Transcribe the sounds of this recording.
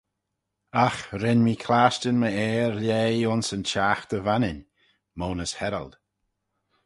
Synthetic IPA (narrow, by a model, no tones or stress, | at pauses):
axɾɪnmikʰlaːʃtənməɛːɾleːʊnsənt͡ʃaːxt̪əvanɪn | moːnəshɛɾə̰ld̪̥